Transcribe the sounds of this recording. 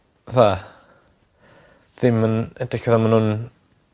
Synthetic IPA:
ða | ðɪmənɛdɪkʰəðamanhʊn

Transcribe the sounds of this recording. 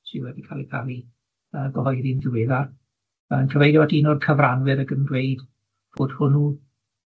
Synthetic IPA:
siwɛdikʰaːlˠikʰalˠi | əːɡɔɦɔjðinðɪweːðar | ənkʰəvejdɔadinɔrkʰəvranwɨɾəɡəndwejd | v̥oːd̥hʊnu

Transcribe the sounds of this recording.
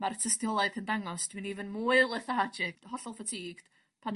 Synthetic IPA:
martʰəstjɔlˠaɨð̥həndaŋɔsd̥mɨnivənmuːɨlˠəθaad͡ʒɪɡ̥hɔɬɔlˠfatʰiːɡ̥ | pʰan

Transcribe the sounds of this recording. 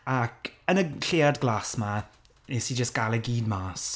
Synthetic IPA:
akʰənəɬeadɡlˠaːsma | nɛsid͡ʒəstɡ̥alˠəɡiːdmaːs

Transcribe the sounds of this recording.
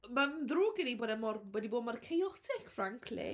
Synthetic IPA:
manðrʊːɡɪniboːdamɔrwɛdiboːdmarkʰejɔtʰɪkʰfraŋkʰlɪ̰

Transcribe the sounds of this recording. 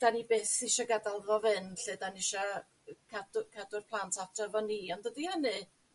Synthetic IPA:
d̥anibeːθɪʃɔɡadalˠrɔvɨnɬeːdanɪʃɔ | kʰadkʰadʊrpʰlˠantʰatʰɔvɔniːɔndədihənɨ

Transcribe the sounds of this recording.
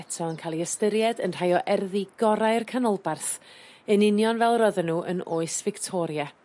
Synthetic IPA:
ɛtʰɔənkʰaːlˠiəstəɾjɛdənr̥ajɔʔɛrðiɡɔɾaɨrkʰanɔlˠbarθənɪnjɔnvɛlˠrɔðənuːʔə̰noːɨsvɪktʰɔɾja

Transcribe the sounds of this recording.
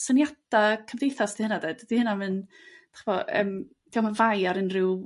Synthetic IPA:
sənjadakʰəmvðejθasd̥ihənadedd̥ihənamɨn | d̥ḁχəvɔə̰ːm | d̥iamavajaɾɪnrɪw

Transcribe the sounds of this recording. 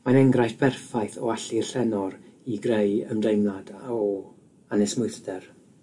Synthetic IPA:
manɛŋɡrajθb̥ɛrfajθɔaɬirɬɛnɔɾiɡrejəmdejmlˠadaɔ | anɛsmʊɨθdɛr

